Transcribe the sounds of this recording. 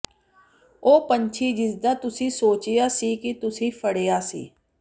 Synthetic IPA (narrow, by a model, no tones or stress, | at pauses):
oːpəɲt͡ʃʰiːd͡ʒɪsd̪aːt̪ʊsĩːsoːt͡ʃɪjaːsiːkit̪ʊsĩːpʰəɽeːjaːsḭː